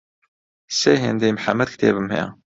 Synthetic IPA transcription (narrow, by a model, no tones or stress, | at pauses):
sæɦind̪æjmħamːæd̪kt̪æbəmhḭ